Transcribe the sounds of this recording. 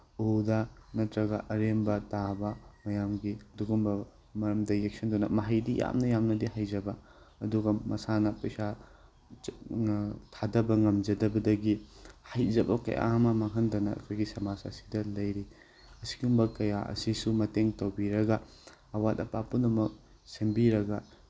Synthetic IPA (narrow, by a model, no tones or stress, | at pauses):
udɐnɐtɾɐɡɐʔɐɾembɐtabɐmɐjamɡiɐduɡumbɐ | mɐɾɐmdɐjek̚sɐndunɐ̰mɐɦɐjdija̰mnɐjamnɐdiɦajzɐbɐ | ɐduɡɐmɐsanɐpɐsa | tʰadɐbɐŋɐmd͡ʒɐdɐbɐdɐɡihajd͡ʒɐbɐkɐ̰jʔa̰ɐmɐmaŋɦɐndɐnɐɐ̰kʰojɡisɐmasɐ̰si̥dɐlɐjɾi | ɐsi̥ɡumbɐkɐjaʔɐ̰sisumɐteŋtɐwbiɾɐɡɐː | watɐpapunɐmɐk̚ | sembiɾɐɡɐ